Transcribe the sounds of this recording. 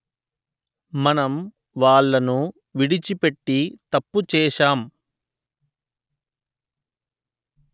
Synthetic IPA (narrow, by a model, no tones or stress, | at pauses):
mɐnɐm | ʋaːɭːɐnu | ʋiɽit͡ʃipe̞ʈːit̪ɐpːut͡ʃɛːʂaːm